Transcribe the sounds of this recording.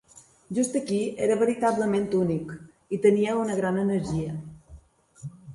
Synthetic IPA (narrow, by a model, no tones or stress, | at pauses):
ʒust̪əkieɾəβəɾit̪aβləment̪unik | it̪əniəunəɣɾanənəɾʒiə